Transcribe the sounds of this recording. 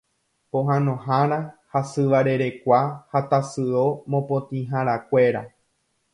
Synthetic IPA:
põɦãnõ̞ɦãɾahasɨʋaɾe̞ɾe̞kʷahat̪asɨomõ̞põt̪ĩɦãɾakʷe̞ɾa̰

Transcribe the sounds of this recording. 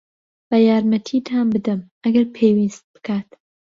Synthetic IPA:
b̥ɐjaːɾmɐt̪ʰiːt̪ʰaːnbɨd̪ɨm | ɐɡɐɾpʰewist̪̚b̥ɨ̥kʰaːt̪

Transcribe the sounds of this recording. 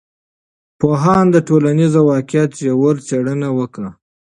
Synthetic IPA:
poɦɑnd̪əʈolanizawɑkjɑt̪jawəɾt͡seɽənawəkɽa

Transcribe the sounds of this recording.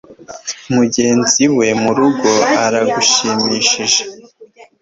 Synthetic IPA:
muɟe̞ːnziwe̞muɾuɡo̞aɾaɡuʃiːmiːʃiʒe

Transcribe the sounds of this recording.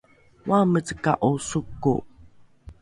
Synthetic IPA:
wamət͡sə̥ka̰ʔosukːṵ

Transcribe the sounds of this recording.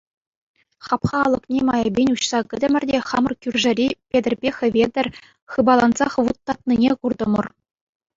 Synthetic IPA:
χɑpχɑːlˠɤ̆knʲemɑjɤ̆bʲenʲuɕsɑkʲɘ̆d̪ʲɘ̆mʲɘ̆rʲdʲeχɑmɤ̆rkʲyrʲʐɘ̆ɾʲipʲed̪ʲɘ̆rʲbʲexʲɘ̆ʋʲed̪ʲɘ̆rʲ | χɯbɑlˠɑnzɑχʋut̪ːɑt̪̚nʲinʲekurd̪ɤ̆mɤ̆r

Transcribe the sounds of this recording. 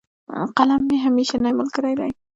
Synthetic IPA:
qɑlamːɪɦamiʃanamɪlˠkʰɪɾajla̰j

